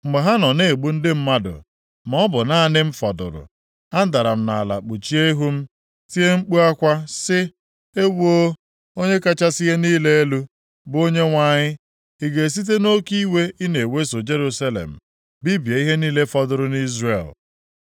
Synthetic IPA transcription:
ŋ͡m̩˨ɡ͡be˨ɦa˦nɔ˨ne˦˨ɡ͡bu˦n̩˦dɪ˦m̩˦ma˦dʊ̰˨ | m˨ɔ˦bʊ˨na˦nɪ˦m̩˦fɔ˨dʊ̰˨ɾʊ̰˨ | a˦n̩˦da˨ɾa˨m̩˦na̰˨la̰˨k͡pu˨t͡ʃi˦e˦ɦu˦m̩˦ | ti˦e˦ŋ͡m̩˦k͡pu˦a˦kʷa˦sɪ˦ | e˦wo˦ | o˦ɲe˦ka˦t͡ʃa˦si˦ɦe˦niː˦le˦e˦lu˦ | bʊ˨o˦ɲe˦ŋʷa˦˨ɲɪ˦ | i˨ɡe˨s̬i˦t̬e˦no˦ki˦we˦i˦ne˨we˦so˨d͡ʒe˦ɾu˦sa˦lḛ˨m̩˨ | bi˦be˨i˦ɦe˦niː˦le˦fɔ˦dʊ˨ɾʊ˨ni˦zrḛ˨l

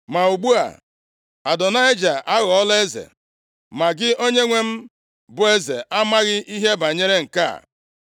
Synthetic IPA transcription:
ma˨u˨ɡ͡bu˦a̰˨ | a˨dɔ˨na˦e˦d͡ʒa˨ʔa˦ɣɔ˨ɔ˦le˦zḛ˨ | ma˨ɡɪ˦o˦ɲe˦ŋʷe˦m̩˦ | bʊ˨e˦zḛ˨ʔa˦ma˦ɣɪ˦ʔi˦ɦe˦ba˨ɲe˦ɾe˦ŋ̩˨ka̰˦˨

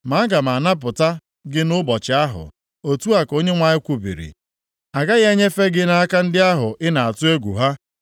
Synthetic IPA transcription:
ma˨˦ɡa˨m˨a˨na˦p̬ʊ˨ta˦ | ɡɪ˦nʊ˦bɔ˨t͡ʃɪ˨a˦ɦʊ̰˨ | o˦tu˦a˨ko˦ɲe˦ŋʷa˨ɲɪ˦kʷu˨bḭ˨ɾḭ˨ | a˨ɡa˦ɣe˦ɲe˦fe˦ɡɪ˦na˨a˦ka˦n̩˦dɪ˦a˦ɦʊ˨ɪ˦na˨a˨tʊ˦e˦ɡʷṵ˨ɦa˦

